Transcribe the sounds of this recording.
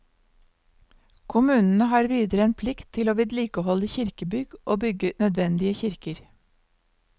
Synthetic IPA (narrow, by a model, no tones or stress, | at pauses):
kʰʊmʉːnn̩əhɑːɾʋiːd̪əɾəeːnpʰlɪkt̪ʰːɪloːʋiːd̪liːkəhɔləçɪɾkəbʏɡʔoːbʏɡənœd̪ʋɛnd̪ɪəçɪɾkəɾ